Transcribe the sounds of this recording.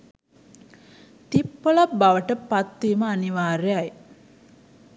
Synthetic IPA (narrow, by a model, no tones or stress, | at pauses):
t̪ipːolabaʋəʈəpat̪ːiːməaniʋaːɾejaj